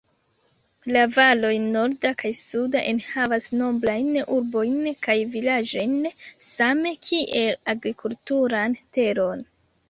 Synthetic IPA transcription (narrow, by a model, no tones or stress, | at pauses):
lavalo̞jno̞ɾdakʰajsudaʔenhavasno̞blajnuɾbo̞jnkajvilad͡ʒojnsame̞kʰiʔe̞laɡɾikʰultuɾante̞ɾo̞n